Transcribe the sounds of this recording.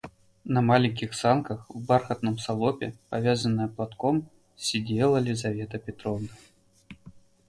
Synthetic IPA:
nɐmalʲiŋʲkʲixsankɐxwbarxɐt̪nɨmsalˠɔpʲɛ̰pavʲazɐnːəjɛplˠat̪kɔm | sʲid͡zʲelˠɐlʲizavʲɛt̪ɐpʲɛt̪ɾɔvnɐ

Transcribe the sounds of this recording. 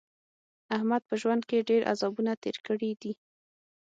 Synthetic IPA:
ahmad̪̚pəʒwand̪̚keɖeɾʔa̰zɑbunat̪eɾkəɽid̪i

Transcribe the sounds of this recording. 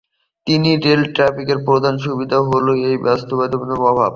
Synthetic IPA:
t̪iniɾelʈɾafikeɾpɾod̪ʱanʃ̬ubid̪ʱaɦoloejbast̪obad̪obonomɔbʱab

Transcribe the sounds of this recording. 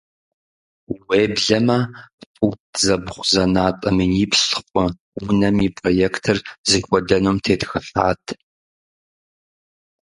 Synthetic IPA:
weːbɮɐmɐpʼuzɐbχʷzɐnaːtʼɐminiːpʰsɨ̥qʷʼɔ | unɐmipʼrojekʰtʰɨrzɨkʷʼɔdɐnoːmtʰeːtxɨɬaːtʰ

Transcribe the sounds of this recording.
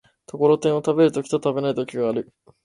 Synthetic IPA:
t̪o̞ko̞ɾo̞t̪ẽɰ̃o̞t̪abe̞ɾɯ̟t̪o̞kʲi̥t̪ot̪abe̞nait̪o̞kʲiɡaːɾɯ̟

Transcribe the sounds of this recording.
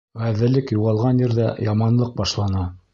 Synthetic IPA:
ʁæðɘ̆lɘkjuʁɑlˠʁɑnjɘ̆ɾðæjɑmɑnlˠɤq̚bɑʃlˠɑnɑ

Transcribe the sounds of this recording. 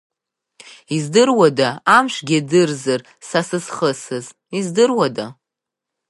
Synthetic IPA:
izdɨrwadaamʃʷɡʲadɨrzar | sasɨsχəsɨz | izdɨrwada

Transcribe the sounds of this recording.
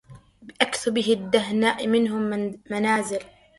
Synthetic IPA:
bɪʔakθʊbɪhɪd̪ːaɦnaːʔmɪnɦʊmːanaːzɪl

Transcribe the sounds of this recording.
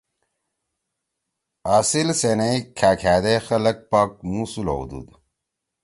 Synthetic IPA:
aːsilsenɐikʰaːkʰæːd̪exɐlɐk̚paːk̚musulo̰ṵd̪ṵd̪

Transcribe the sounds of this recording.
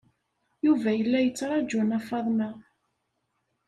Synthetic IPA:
juvæjəlːæjət͡sːɾˤɑd͡ʒænɑfɑðˤnæ

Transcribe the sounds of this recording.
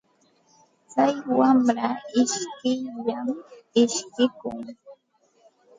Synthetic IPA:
t͡sajwamɾaɪʃkɪʎamɪʃkɪkʊ̰ŋ

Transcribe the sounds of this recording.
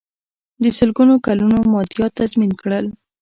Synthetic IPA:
d̪əsəlɡunokalunomɑd̪jɑt̪azminkɽəl

